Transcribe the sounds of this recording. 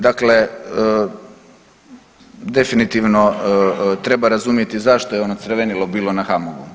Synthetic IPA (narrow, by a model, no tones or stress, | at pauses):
d̪akle̞ | d̪e̞finit̪iʋno̞ | t̪ɾe̞baɾazumije̞t̪izaʃt̪o̞jeo̞not̪sɾʋenilobiːlo̞naxamoʋu